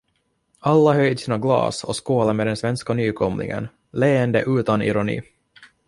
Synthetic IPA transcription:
alːaɦœjd̪siːnaɡlɑ̰ːsɔskoːlameːd̪ɛnsvɛnskanyːkʰɔmlɪ̰ŋə̰n | leːɛnd̪əʔʉ̟ːt̪anɪ̰ɾʊnḭː

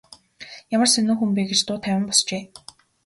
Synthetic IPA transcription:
jamə̆rsenŭːŋxumpeːɡet͡ɕt̪ʊːt̪ʰæwʲɪ̆mpɔst͡ɕeː

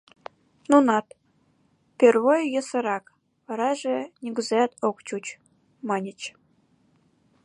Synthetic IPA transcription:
nunɑt̪ | pʲerβojjə̆sə̆ɾɑk | βɑɾɑʒĕnʲiɡuzɑt̪okt͡ɕut͡ɕ | mɑnʲə̆t͡ɕ

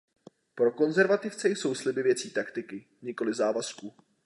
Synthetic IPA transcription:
pɾo̞ko̞nzɛɾvat̪ɪft͡sɛjso̞wslɪbɪvjɛt͡siːt̪akt̪ɪkɪ | ɲɪko̞lɪzaːvasku

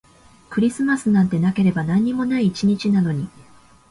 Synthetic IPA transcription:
kɯ̟ɾʲisɨmasɨnãnt̪e̞nake̞ɾe̞banãɲ̟ːimo̞naiːt͡ɕiɲ̟it͡ɕinano̞ɲ̟i

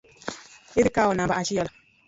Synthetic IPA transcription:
idikaːwʊnabaʔaʃiɔl

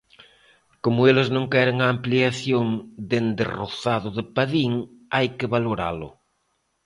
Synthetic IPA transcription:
komʊelɪznõŋkɛɾɪŋaːmpliaθjoŋd̪end̪ḛro̰θaðʊðɪpaðiŋajkɪβaloɾa̰lʊ̰

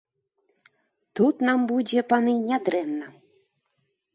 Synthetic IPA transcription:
t̪ut̪nambud͡zʲɛpanɨnʲad̪ɾɛnːɐ

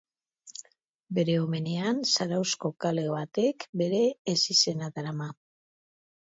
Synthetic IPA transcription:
be̞ɾe̞ome̞ne̞ansaɾawsko̞kale̞βat̪e̞kbe̞ɾe̞ːsise̞naðaɾama

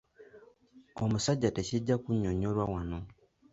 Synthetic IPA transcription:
omusaɟːateciɟːakuɲoɲoɾwawano

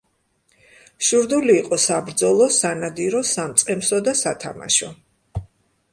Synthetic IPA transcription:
ʃuɾd̪uliːqʼɔsabɾd̪zɔlˠɔsanad̪iɾɔsamt̪sʼqʼɛmsɔd̪asat̪ʰama̰ʃɔ

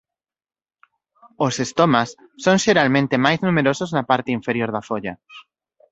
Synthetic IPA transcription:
osest̪omasː | oŋʃeɾalmẽnt̪emajznũmeɾosoznapaɾt̪eiɱfeɾjoɾðafoʎa

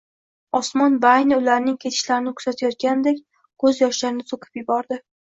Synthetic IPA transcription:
ɒsmɒnbajnʊlaɾnɪŋkʲʰe̞t̪ʰɪ̥ʃlaɾɪnɪkʰʊ̥z̥at̪ʰajɒt̪̚kʲanɪd̪ekʲ | kʰɵzjɒʃlaɾɪnɪsʰoqʰɪ̥pjɪbɒɾd̪ɪ

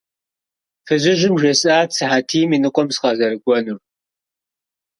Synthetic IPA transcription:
fɨʑɪʒɪmʒɐsʼaːsʰɨħaːtʰiːminɨqʷʼɔmsqɐzɐɾɨɡʷɔnur

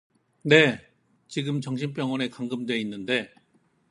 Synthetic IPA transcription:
ne̞ | t͡ɕiɡɯmt͡ɕʌŋɕʰinp̬͈jʌŋwʌnekaŋɡɯmdwe̞inːɯnde̞

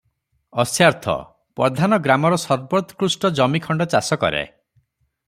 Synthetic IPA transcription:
ɔsjaɾt̪ʰɔ̰ | pɔd̪ʱanɔɡɾamɔɾɔsɔɾbɔt̪kɾusʈɔd͡ʒɔmikʰɔɳɖɔt͡ʃasɔkɔ̰ɾḛ

